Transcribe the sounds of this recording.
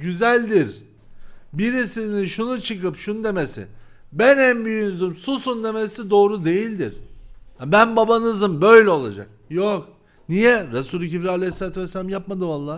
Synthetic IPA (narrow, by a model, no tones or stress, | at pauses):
ɟyzælʲd̪iɾ | biɾisininʃunut͡ʃʰɯkɯpʃunud̪e̞mesḭ | bænɛnbyjynzymsusund̪e̞mesid̪o̞ːɾud̪e̞jilʲd̪iɾ̥abænbabanɯzɯmbø̞jlʲɛo̞lˠad͡ʒa̰k̚jok | nijɛɾasuːlʲicibɾialʲejselʲaːt̪ʰuvɛsːelʲamjap̚mad̪ɯmalˠːaː